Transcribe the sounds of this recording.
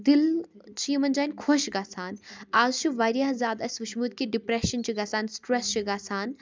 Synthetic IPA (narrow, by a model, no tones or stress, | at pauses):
d̪ilt͡ʃʰijimɐnʲd͡ʒaːnʲkʰoʃɡaːsaːnaːzt͡ʃʰuʋaːɾijaːɦzʲaːd̪ɐsʲʋɐʃmuːd̪̚kiɖipɾeʃɐnt͡ʃʰiɡaːsaːnsʈɾɛst͡ʃʰiɡaːsaːn